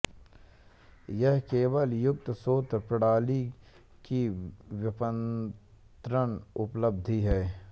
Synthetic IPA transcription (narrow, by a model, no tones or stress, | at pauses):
jɐɦkeːwəljʊk̚t̪soːt̪ɾpɪɽaːli | kiʋɪpən | t̪ɾənʊpləb̚d̪ʱiɦɛː